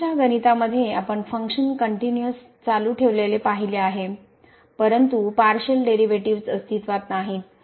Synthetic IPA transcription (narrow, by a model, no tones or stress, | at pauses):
aɡənit̪aməd̪ʱːjeapəɳfəŋkɕənkəɳʈinjəs | t͡saluːʈʰeʋlelepaɦileaɦe | pəɾənt̪upaɾɕəlɖeɾiʋeʈiʋt͡səst̪it̪ʋat̪naɦiːt̪